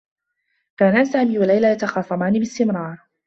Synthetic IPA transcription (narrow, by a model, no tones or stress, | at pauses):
kaːnasaːmiːwalːajlaːjat̪ɑxɑːsˤɑmaːnɪbɪst̪ɪmɾˤɑːɾˤ